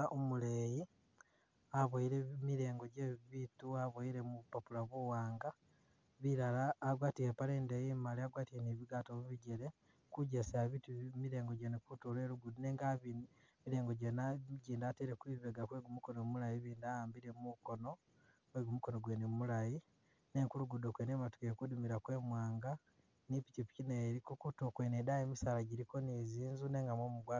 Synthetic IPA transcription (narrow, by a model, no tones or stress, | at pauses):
ʔomuleji | aβoiɾemiɾe̞ːŋɡoɟeβituaβoiɾe̞mupapulaβuwaːŋɡa | βiɾalaːɡwaːtihepaleːndejimaliaɡwaːtiheniβiɡatoβiβiɟeɾe | kuɟesaβitumiɾeːŋɡoɟenekutuleɾuɡuduneŋɡaβin | miɾe̞ːŋɡo̞ɟenaɟiːndateɾekwiːβeɡakweɡumukonomumulajiβiːndajaːmbiɾemukono̞ | kweɡumukonoɡweːneumulaji | neŋkuluɡudokwenematu̥kekudumiɾakwe̞ːmwaːŋɡa | nipicipi̥cineːɾikokutokwenedajemisalaɟiɾiko̞niziːnzune̞ŋɡamomuɡwa